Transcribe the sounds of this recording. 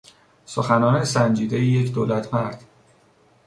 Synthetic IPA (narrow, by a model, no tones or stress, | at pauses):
soxænɒːnesænd͡ʒiːd̪ejejecʰd̪oːlæt̪ʰmæɾd̪̥